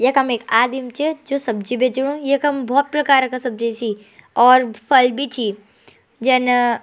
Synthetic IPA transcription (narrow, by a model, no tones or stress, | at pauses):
jekɐmeːkaːd̪imt͡ʃed͡ʒoːsɐb̚d͡ʒibʱet͡ʃɽũjekɐmbʱɔːt̪̚pɾɐkaːɾkasɐb̚d͡ʒit͡ʃʰi | ɔːɾpʰɐlbʱit͡ʃʰi | d͡ʒɛn